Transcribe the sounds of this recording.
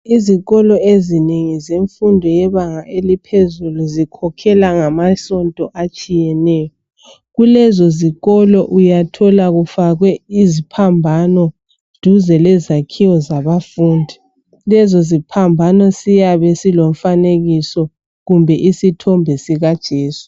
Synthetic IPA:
iziɣɔlɔezineŋizeɱfundʱɔjɛβaŋaʔelipʰezuluzikʰɔkʰɛlaŋamasɔntʼɔʔat͡ʃʼijɛnɛːjɔ | ɣulɛzɔziɣɔlɔʔujatʰɔlaɣufaɣwɛizipʰambʱanɔ | d̥ʱuzɛlɛzakʰiwɔzaβafuːndʱi | lɛzɔzipʰambʱanɔsijaβɛsilom̩faneɣisɔ | ɣumbʱɛʔisitʰɔmbʱɛsiɣad̥ʒ̥ʱeːsu̥

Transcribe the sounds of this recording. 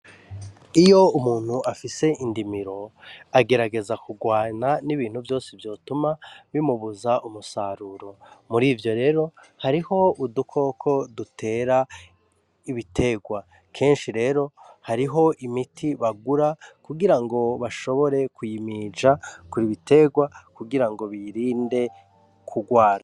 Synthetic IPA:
ijo̞umuːn̥huʔafise̞ʔindimiɾo̞aɡe̞ɾaɡe̞zakuɡwaːnaniβiːn̥huvjo̞ːsevjo̞ːtumaβimuβuzaʔumusaːɾuɾo̞muɾiːvjo̞ɾe̞ːɾo̞ | haɾiho̞udukʰo̞kʰo̞dutʰe̞ːɾa | iβitʰe̞ɡwa | kʰe̞ːnʃiɾe̞ːɾo̞haɾiɦo̞ʔimitʰiβaɡuɾakuɡiɾaŋɡo̞βaʃo̞βo̞ɾe̞kujimid͡ʒakuɾiβitʰe̞ɡwakuɡiɾaŋɡo̞βiɾiːnde̞ | kʰuɡwaːɾa

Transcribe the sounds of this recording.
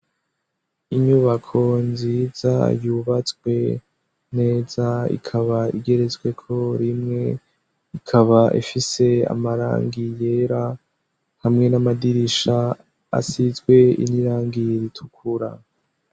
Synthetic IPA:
iɲuβakʰo̞nziːza̰juβat͡sɡwe̞ | ne̞ːzaḭkʰaβaḭɡe̞ɾe̞zɡwe̞kʰo̞ɾimŋe̞ | ikʰaβaʔḭfise̞a̰maɾa̰ːŋɡije̞ɾa | hamŋe̞namadiɾiʃa | a̰sizɡwe̞ḭniɾaːŋɡiɾitʰukʰuɾa̰

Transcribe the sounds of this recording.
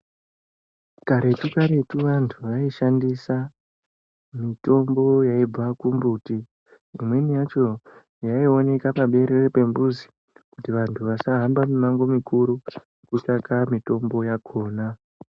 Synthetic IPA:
kaɾe̞tukaɾe̞tuʋantʰuʋaiʃandisa | mito̞mbo̞jaib͡vakumbuti | imwe̞nijat͡ʃo̞ | jaio̞ne̞kapaɓe̞ɾerepe̞mbuzi | kutiʋantʰuʋasaɦambamimaŋɡo̞mikʰuɾu | kut͡ʃakamito̞mbo̞jakʰo̞ːna

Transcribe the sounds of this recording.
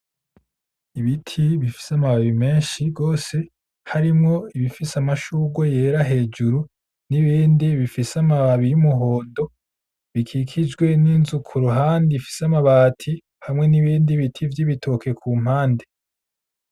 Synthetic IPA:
iβitʰiβifi̥samaβaβime̞ːnʃiɡo̞ːse̞ | haɾimŋo̞iβifisamaʃuɡwoje̞ːɾaɦe̞ːd͡ʒuɾu | niβiːndiβifisamaβaβijumuɦo̞ːndo̞ | βikʰikʰid͡ʒɡwe̞ninzukʰuɾuɦaːndifi̥samaβaːtʰi | hamŋe̞niβiːndiβitʰivjiβitʰo̞kʰe̞kʰuːm̥haːnde

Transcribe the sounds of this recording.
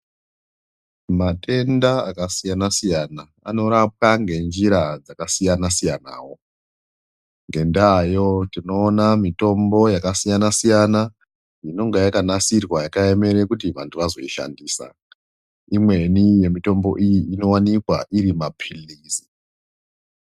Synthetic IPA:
matʰe̞ndaakasijanasijana | a̰no̞ɾap̚aŋɡe̞nd͡ʒiɾad͡zakasijanasijana̰ːwo̞ | ŋɡe̞ndajo̞tino̞ːnamito̞mbo̞jakasijanasijana | jino̞ŋɡajakanasirwajakae̞me̞ɾekutiʋantʰuʋazo̞̰iʃa̰ndiːsa̰ | imwe̞nije̞mito̞mbo̞̰ʔijiino̞wanikwa̰ʔiɾimapʰiliːsi̥

